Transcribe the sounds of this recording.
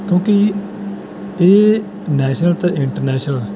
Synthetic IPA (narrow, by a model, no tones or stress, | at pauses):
kjõːki | eː | nɛːʃnəlt̪aʔɪɳʈəɾnɛːʃnəl